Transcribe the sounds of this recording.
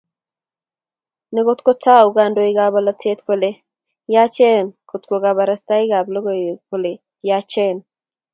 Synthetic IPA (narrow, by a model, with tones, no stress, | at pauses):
nɛ˨˦ko˦t̪ko˦ta˦u˨ɡa˨ndo˨i˦ɡa˨ba˨la˦tʰe˦t̪ko˨le˨ | ja˦t͡ʃe˦˨nko˨t̪ko˨ɡa˨ba˨ɾa˦st̪a˦ɪ˦ɡa˨blo˦ɡo˨ko˨le˨ | ja˦t͡ʃɛ˦n